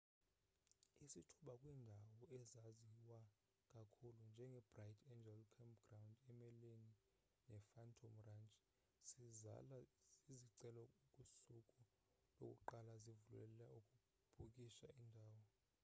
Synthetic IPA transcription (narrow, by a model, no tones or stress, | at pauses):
isitʰuɓakʼwiːndʱawɔɛzaziwa | kʼakʰulund͡ʒʱɛŋɡʱɛbrajtʰʼɛnd͡ʒɛlkʰampɡ̥rawndɛmɛleni | nɛfantʰomrant͡ʃʼi̥ | siza̰laiziǀɛlɔukʼusukʼu | lo̰kʼṵǃalazivulɛ̰laukʼu | b̥ʱukʼiʃaindʱaːwɔ